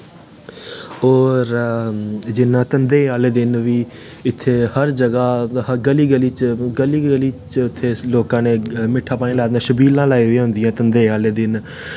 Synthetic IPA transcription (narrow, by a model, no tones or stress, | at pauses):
ɔːɾ | d͡ʒɪnːãːt̪ənd̪eːaːleːd̪ɪnʋiː | ɪt̪ʰːeːhəɾd͡ʒəɡaːəɡəliːɡəliːt͡ʃɡəliːəliːt͡ʃɪt̪ʰːeːloːkãːneːmɪʈʰːaːpaːnĩːlaːd̪d̪aːʃəbiːlãːlaːiːɦʊẽːɦʊ̃nd̪ɪjãːt̪ənd̪eːaːleːd̪ɪn